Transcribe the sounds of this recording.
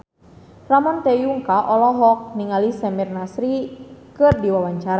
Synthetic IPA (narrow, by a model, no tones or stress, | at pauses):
ramɔnt̪ɛjuŋkaʔɔlɔɦɔk̚niŋalisɛmirnasɾikɨrdiwawaɲt͡ʃaɾa